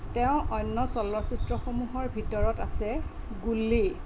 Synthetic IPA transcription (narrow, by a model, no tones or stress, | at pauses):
tɛʊ̃ʔɔjnːɔsɔlːɔsutɹɔxomuɦɔɹbʱitɔɹɔtasɛ | ɡulːi